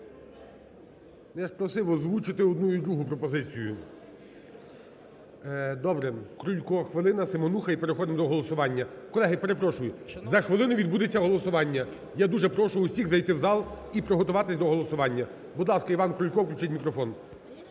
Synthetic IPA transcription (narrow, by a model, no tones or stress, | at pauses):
nɛʃpɾɔsɪʋɔzʋut͡ʃɪt̪ɪɔd̪nuid̪ɾuɦʊpɾɔpɔzɪt͡sʲijʊ | d̪ɔbɾɛkɾʊlʲkɔxʋelˠɪnɐsɪmɔnuxɐipeɾexɔd̪ɪmd̪ɔɦɔlˠɔsʊʋɑnʲːɐkɔlˠɛɦɪpeɾepɾɔʃʊjʊzɐxʋelˠɪnʊʋʲid̪bud̪et͡sʲːɐɦɔlˠɔsʊʋɑnʲːɐ | jad̪uʒɛpɾɔʃʊʊsʲiɣzɐjt̪ɪwzɑlˠ | ipɾɔɦɔt̪ʊʋɑt̪ɪsʲd̪ɔɦɔlˠɔsʊʋɑnʲːɐ | bud̪lˠɑskɐiʋɑnkɾʊlʲkɔwklʲut͡ʃɪtʲmʲikɾɔfɔn